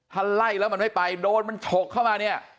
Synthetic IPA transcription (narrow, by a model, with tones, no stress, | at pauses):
t̪ʰa˧la˥˩jlɛː˦˥wma˧nma˥˩jpa˧jdoː˧nma˧nt͡ɕʰo˨˩kʰːaː˥˩wmaː˧ni˥˩ɐ